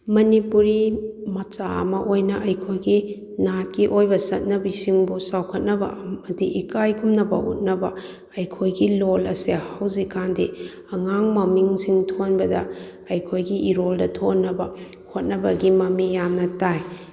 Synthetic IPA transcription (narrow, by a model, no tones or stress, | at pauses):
mɐnipuɾimɐt͡ʃa̰ɐ̰mɐʔojnɐʔɐjkʰojɡi | nakiʔojbɐsɐt̚nɐbisiŋbusawkʰɐt̚nɐbɐ̰mɐdiʔikajkʰumnɐbɐṵt̚nɐbɐ | ɐjkʰojɡilolɐsehawzikʰandi | ɐŋaŋmɐmiŋsiŋtʰonbɐdɐ | ɐjkʰojɡiiɾoldɐtʰonːɐbɐ | hot̚nɐbɐɡimɐmijamnɐtaj